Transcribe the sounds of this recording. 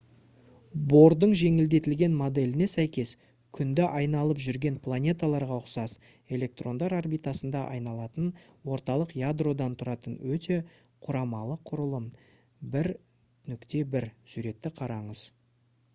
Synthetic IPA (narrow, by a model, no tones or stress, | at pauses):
bo̞rd̪əɴʒe̞ŋɪld̪e̞t̪ɪlɡʲe̞nmo̞d̪e̞lʲɪne̞sæjkʲe̞s | kʲʰʏnd̪ɪʔɑjnɑlˠəpʒʏɾɡʲe̞npʰlˠanʲe̞t̪alˠɑɾʁɑʊqsɑz | e̞lʲe̞k̚t̪ro̞nd̪ɑɾarbijt̪asənd̪ɑʔɑ̰jnɑlˠɑt̪ənwo̞ɾt̪ɑlˠəqjad̪ro̞d̪ɑnt̪ʰʊɾɑt̪ənwɵt̪e̞ | qʰʊɾɑmɑlˠəqʰʊɾəlˠəm | bɪɾ | nʏkt̪e̞bɪɾsuɾe̞t̪ːɪqʰɑɾɑɴəz̥